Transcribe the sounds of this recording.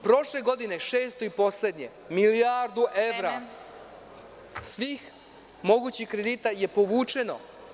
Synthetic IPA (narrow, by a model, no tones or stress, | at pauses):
pɾo̞ʃle̞ɡo̞d̪ine̞ʃe̞ːst̪o̞ipo̞sle̞d̪ɲe̞ | miliaɾd̪uʔeʋɾa | sʋiːx | mo̞ɡuːt͡ɕixkɾed̪iːt̪aje̞po̞ʋuːt͡ʃe̞no̞̰